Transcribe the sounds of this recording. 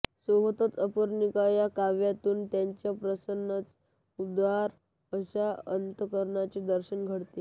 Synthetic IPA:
soɦət̪ət̪əpəɾnikajakaʋjat̪uːnt̪jaɲt͡ɕjapɾəsənːət͡s | ud̪ʋaɾ | əɕaənt̪əkəɾɳat͡ɕid̪əɾɕənɡʱəɽt̪e

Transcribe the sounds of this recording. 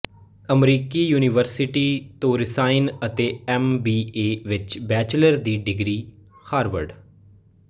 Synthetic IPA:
əmɾiːkiːjuːnɪʋəɾsɪʈiːt̪õːɾɪsaːɪnət̪eːɛmbiːeːʋɪt͡ʃbɛːt͡ʃləɾd̪iːɖɪɡɾiː | haːɾʋə̰ɾɖ

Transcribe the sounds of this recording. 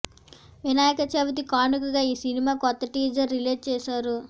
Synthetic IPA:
ʋinaːjɐkɐt͡ʃeʋɐt̪̬ikaːnukɐɡaːiːsinimaːkɔt̪ːɐʈiːd͡ʒɐɾːileːʈ̚t͡ʃɛːsaːɾu

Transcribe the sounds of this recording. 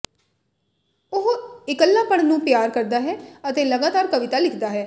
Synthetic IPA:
ʊɦɪkəlːãːpəɳ̃nũːpɪjaːɾkəɾd̪aːɦɛːət̪eːləɡaːt̪aːɾkəʋɪt̪aːlɪkʰd̪aːɦɛː

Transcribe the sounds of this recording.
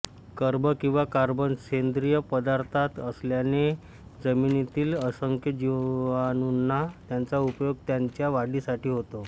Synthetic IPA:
kəɾbəkĩw̃ʋakaɾbənɕend̪ɾijəpəd̪aɾt̪ʰat̪əsljane | d͡zəminit̪iːləsəŋkʰjəd͡ʑianunːat̪jant͡saupjoɡ̚t̪jaɲt͡ɕjaʋaɽisaʈiːɦot̪o

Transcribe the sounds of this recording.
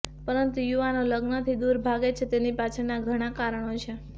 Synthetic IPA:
pəɾənt̪ujuʋanoləɡnət̪ʰid̪uɾbʱaɡet͡ʃʰet̪enipat͡ʃʰenaɡʱəɽ̃akaɾəɳ̃ot͡ʃʰe

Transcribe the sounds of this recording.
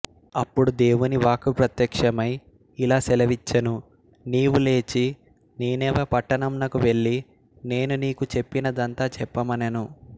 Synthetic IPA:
ɐpːuɽud̪e̞ːwuniʋaːkupɾɐt̪jɐkʂɐmɐj | ilaːsɛlɐʋit͡ʃːɐnu | niːwule̞ːt͡ʃi | neːnɛːʋɐpɐʈːɐɳɐmlɐkuʋe̞ɭːi | ne̞ːnuniːkut͡ʃe̞pːinɐd̪ɐnt̪aːt͡ʃɛpːɐmɐnɐnu

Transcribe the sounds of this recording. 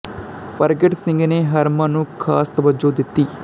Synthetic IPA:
pɐɾɡeʈsɪ̃ŋɡneːɦɐɾmaːnũːkʰa̰ːst̪ɐbɐd͡ʒoːd̪ɪt̪ːiː

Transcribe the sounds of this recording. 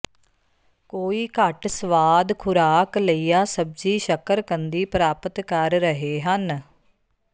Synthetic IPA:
koːiːkəʈsəʋaːd̪kʰʊɾaːkləiːjaːsəb̚d͡ʒiːʃəkəɾkənd̪iːpɾaːpət̪kəɾːəɦeːɦən

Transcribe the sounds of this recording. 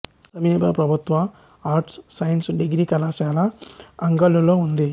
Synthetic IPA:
sɐmiːbɐpɾɐbʱut̪ʋɐ | aːɾʈsːɐjnsɖiɡɾikɐlaːʃaːlɐɐŋɡɐlːuloːund̪i

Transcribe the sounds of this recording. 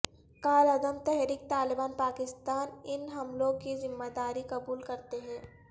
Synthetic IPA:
kaːlɐd̪əmt̪ɛɦɾiːk̚t̪aːlɪbaːnpaːkɪst̪aːnɪnɦɐmlõkizɪmːad̪aːɾikɐbuːlkɐɾt̪eɦɛ̃ː

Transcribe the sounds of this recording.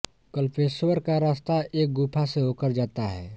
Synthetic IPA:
kəlpʰeːswəɾkaɾaːst̪aeːk̚ɡuːpʰaseɦoːkəɾd͡ʒaːt̪aɦɛ̰ː

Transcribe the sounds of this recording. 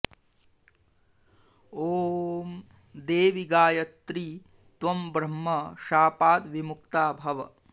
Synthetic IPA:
oːm | d̪eːʋiɡaːjɐt̪ɾi | t̪ʋɐmbɾɐmːɐʃaːpaːt̪ʋimukt̪aːbʱɐʋɐ

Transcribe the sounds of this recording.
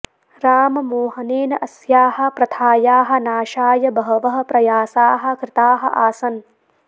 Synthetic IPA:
ɾaːmɐmoːɦɐneːnɐʔɐsjaːɦɐ̆pɾɐt̪ʰaːjaːɦɐ̆naːʃaːjɐbɐɦɐʋɐɦɐ̆pɾɐjaːsaːɦɐ̆kɾɪt̪aːɦɐ̰̆ʔaːsɐn

